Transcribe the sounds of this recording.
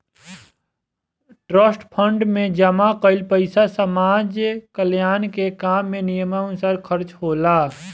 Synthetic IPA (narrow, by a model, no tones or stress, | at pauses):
ʈɾəsʈpʰəɳɖmẽd͡ʒɐmaqəɪlpəɪsasəmaːd͡ʒkəljaːnkekaːmːẽnijəmansaːɾkʰəɾt͡ʃhoːlaː